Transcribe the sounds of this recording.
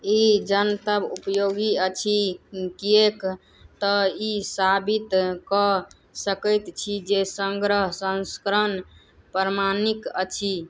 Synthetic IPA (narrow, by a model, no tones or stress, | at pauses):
id͡ʒənt̪əbupəjoɡiət͡ʃʰikiek | t̪ɔisabit̪kɔ | səkəjt̪t͡ʃʰid͡ʒesəŋɡɾəɦsə̃nskɾən | pɾəɾmanikət͡ʃʰi